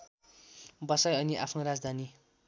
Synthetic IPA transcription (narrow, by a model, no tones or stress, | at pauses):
bʌsʌjʌniʔapʰnoɾad͡zd̪ʱani